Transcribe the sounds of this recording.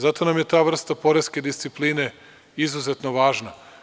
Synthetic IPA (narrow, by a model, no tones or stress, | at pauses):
zat̪o̞namje̞t̪aːʋr̩st̪apo̞ɾeske̞d̪ist̪sipliːne̞ | izuze̞t̪noʋaːʒna